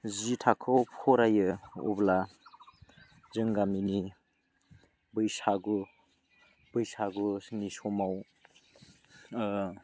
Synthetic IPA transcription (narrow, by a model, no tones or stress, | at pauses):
zitʰakʰɔpʰɔɾajɯɔ̰bla | zɯŋɡamini | bɯjsaɡu | bɯjsaɡunisɔmaw